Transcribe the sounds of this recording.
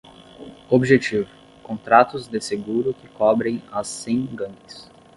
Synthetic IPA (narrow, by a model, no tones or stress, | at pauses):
obʒet͡ʃivʊ | kõnt̪ɾat̪ʊzd̪ɪseɡuɾʊkɪkɔbɾẽj̃asːẽj̃ɡɐ̃mɪs